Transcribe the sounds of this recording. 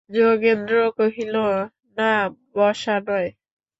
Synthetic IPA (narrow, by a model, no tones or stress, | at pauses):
d͡ʒokend̪ɾokoɦilo | nabɔʃanɔj